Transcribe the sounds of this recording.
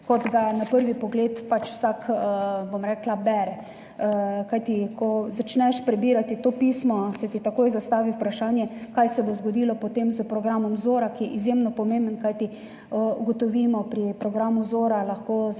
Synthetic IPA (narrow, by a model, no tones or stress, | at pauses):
kɔd̪ɡanapəɾʋipɔɡleːt̪pat͡ʃwsakbomɾɛːklabɛɾɛ | kajt̪ikɔzat͡ʃnɛʃpɾɛbiːɾat̪it̪oːpismɔsɛt̪it̪akoːjzast̪aːʋiwpɾaʃaːnjɛkajsɛbozɡod̪iːlɔpot̪emzəpɾɔɡɾamɔmzoːɾakijɛizjemnɔpɔmẽmbənkajt̪i | əuɡɔt̪ɔʋiːmɔpɾipɾɔɡɾamuzoːɾalaxkoː